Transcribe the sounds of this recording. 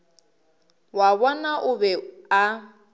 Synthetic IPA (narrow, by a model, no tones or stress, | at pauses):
waβɔnaʔʊbɛa